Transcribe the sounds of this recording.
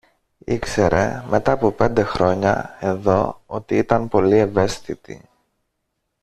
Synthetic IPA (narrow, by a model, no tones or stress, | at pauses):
ikse̞ɾe̞̰me̞t̪ɐːpope̞nd̪e̞xɾo̞ɲɐ̰e̞ðo̞o̞t̪iit̪ɐnpo̞lie̞ve̞st̪it̪ḭ